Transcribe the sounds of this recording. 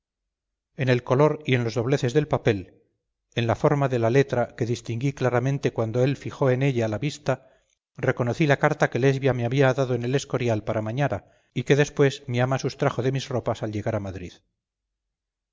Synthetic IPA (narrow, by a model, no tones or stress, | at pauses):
e̞ne̞lko̞lo̞ɾie̞nlo̞zðo̞β̞le̞θe̞zðe̞lpape̞l | e̞nlafo̞ɾmaðe̞lale̞t̪ɾake̞ðist̪iŋɡiklaɾamẽ̞nt̪e̞kwand̪oe̞lfixo̞e̞ne̞ʎaːlaβist̪a | re̞ko̞noθilakaɾt̪ake̞le̞zβjame̞aβiaːðaðo̞ene̞le̞sko̞ɾjalpaɾamaɲaɾa | ike̞ðe̞spwe̞zmiamasust̪ɾaχoðe̞mizro̞pasalʎe̞ɣaɾamaðɾḭð